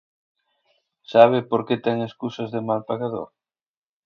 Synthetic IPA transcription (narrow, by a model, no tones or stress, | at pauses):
saβ̞ɪpoɾket̪ɛŋeskusɐzðɪmalpaɣaðo̰ɾ